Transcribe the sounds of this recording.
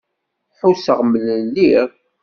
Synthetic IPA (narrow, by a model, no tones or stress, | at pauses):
ħusəʁmələnliɾ